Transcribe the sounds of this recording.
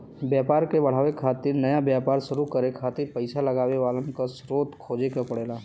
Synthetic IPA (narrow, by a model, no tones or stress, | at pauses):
bjaːpaːɾkebɐɽ̤aːʋekʰaːt̪ɪɾnɐjabjaːpaːɾʃʊɾukɐɾekʰaːt̪ɪɾpəɪsalɐɡaːʋeʋaːlə̃nkasɾoːt̪kʰoːd͡ʒekapɐɽeːlaː